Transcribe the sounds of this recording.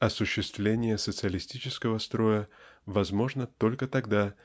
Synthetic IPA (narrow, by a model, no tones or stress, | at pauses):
ɐsʊɕːɪst̪vlʲenʲɪjəsət̪sɨəlʲɪsʲtʲit͡ɕɪskəvəst̪ɾo̞jəvɐzmo̞ʐnət̪o̞lʲkət̪ɐɡd̪a